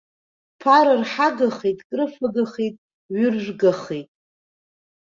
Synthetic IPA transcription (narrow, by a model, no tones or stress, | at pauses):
pʰaɾɨrħaɡaχejtʼkʼrɨfaɡaχejtʼ | ɥʏrʒʷɡaχejtʼ